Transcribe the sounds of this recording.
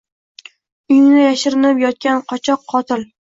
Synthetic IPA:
ʊjnnɪjaʃɪɾɪnɪpjɒt̪̚kʲanqʰɒt͡ʃʰɒqʰːɒt̪ʰɪl

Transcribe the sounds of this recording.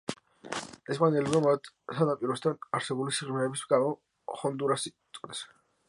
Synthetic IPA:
ɛspʼanɛlɛbmamat̪ | sanapʼiɾɔst̪ʰanaɾsɛbulisiʁɾmɛːbisɡamɔ | χɔnd̪uɾasit̪ʼkʼnɛs

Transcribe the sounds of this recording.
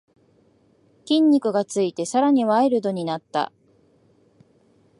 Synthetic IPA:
kʲĩɲ̟ʲːikɯ̟ɡat͡sɨit̪e̞saɾaɲ̟iβaeɾɯ̟d̪o̞ɲ̟inat̪ːa̰

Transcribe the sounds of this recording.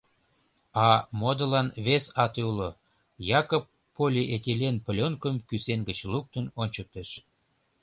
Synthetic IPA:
ɑmod̪ə̆lɑnβesɑt̪ulo | jɑkopːolʲiʔet̪ʲelʲenpəlʲonkəmkysenɡət͡ɕluk̚t̪ənonʲt͡ɕək̚t̪eʃ

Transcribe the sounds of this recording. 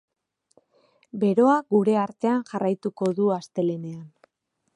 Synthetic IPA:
be̞ɾo̞aɡuɾe̞aɾt̪e̞anʝarajt̪uko̞ðuast̪e̞lene̞an

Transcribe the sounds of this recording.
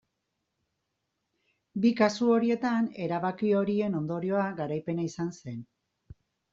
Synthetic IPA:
bikasuo̞ɾie̞t̪ane̞ɾaβakio̞ɾie̞no̞nd̪o̞ɾio̞aɡaɾajpe̞naisanse̞n

